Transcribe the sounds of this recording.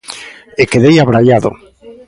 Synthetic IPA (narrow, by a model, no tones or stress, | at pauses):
ekeðejaβɾaʎaðo̰